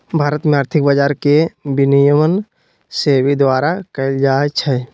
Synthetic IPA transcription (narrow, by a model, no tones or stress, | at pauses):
bʱaːɾət̪mẽaːɾt̪ʰɪk̚bəd͡ʒaːɾkebinijəmən | seːwid̪waːɾakəld͡ʒaːet͡ʃʰɛ